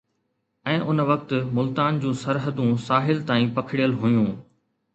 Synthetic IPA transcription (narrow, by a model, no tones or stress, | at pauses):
ɛ̃ːʔʊnʋɐkt̪mʊlt̪aːnd͡ʑũːsɐɾɦəd̪ũsaːɦɪlt̪aːĩːpɐkʰɪɽijəlɦʊjũː